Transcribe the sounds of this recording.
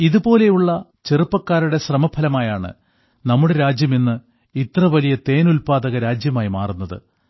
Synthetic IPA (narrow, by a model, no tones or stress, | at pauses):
iðubo̞ːle̞juɭːɐ | t͡ɕerupːɐkːaːɾuɽe̞ɕrɐmɐbʰɐlɐmaːjaːɳɨ̰ | nɐmːuɽeɾaːd͡ʑjɐmenːɨ | it̪rɐʋɐlijɐt̪e̞ːnulpaːðɐɣɐɾaːd͡ʑjɐmaːjimaːrunːɐðɨ̰